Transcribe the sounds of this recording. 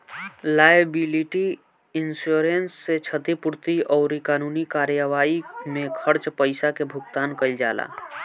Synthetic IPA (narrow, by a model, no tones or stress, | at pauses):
laːəbiliʈi | ɪnsuɾensːet͡ʃʰət̪ipʊɾt̪iɔːɾikaːnuːnikaːɾjəʋaːimẽkʰəɾt͡ʃpəɪsakebʱʊkt̪aːnkəid͡ʒaːla̰ː